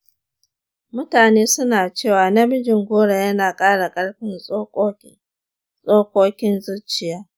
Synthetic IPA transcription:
mʊ˦taː˨neː˦sʊ˦naː˨t͡ʃeː˦˨waː˨nɐ˦bɪ˦d͡ʒɪ˨ŋɡʷoː˦ɽa˨jɐ˦naː˨kʼaː˦ɽa˨kʼɐ˦ɽɸɪ˦nʼo˦kː | sʼoː˦kʷoː˦kʲɪ˦nzʊ˦t͡ʃʼɪ˨jaː˦

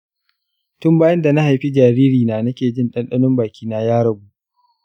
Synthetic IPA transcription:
tʊ˦mbaː˦jɐ˦nda˨na˦ha˨jɸi˦d͡ʒaː˨ɾiː˦ɾiː˨naː˨nɐ˦kʲeː˨d͡ʒɪ˦nɗɐ˦nɗɐ˦nʊ˦mbaː˨kʲiː˦naː˦jaː˦ɾɐ˨buː˦ʔ

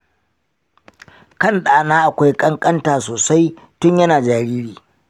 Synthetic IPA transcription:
kɐ˦˨nɗaː˨naː˦ʔa˨kʷa˦jkʼɐ˦ŋkʼɐ˦ntaː˨soː˨sa˦j | tʊ˦ɲjɐ˦naː˨d͡ʒaː˨ɾiː˦ɽiː˨

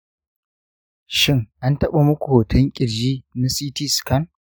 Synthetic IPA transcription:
ʃɪ˦ŋʔa˦ntɐ˦ɓa˦mʊ˦kʷu˨wtʰɐ˦ŋkʲʼɪ˨ɽd͡ʒiː˦na˦siː˦tiː˦skɐ˦n

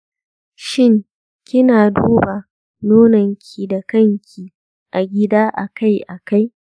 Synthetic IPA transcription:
ʃɪ˦ŋ | kʲɪ˦naː˨duː˦ba˨ | noː˦nɐ˨ŋkʲʰiː˨da˨kɐ˦ŋkʲʰiː˨ | ʔa˨ɡʲɪ˦daː˦ʔa˨ka˦˨jʔa˨ka˦j

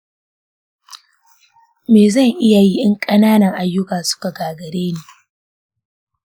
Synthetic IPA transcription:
meː˨zɐ˦˨ŋʔɪ˦ja˨ji˦ʔɪ˦ŋkʼɐ˦naː˦nɐ˨ŋʔa˨jːʊ˦kaː˨sʊ̥˦ka˨ɡaː˨ɡɐ˨ɾeː˦neː˨

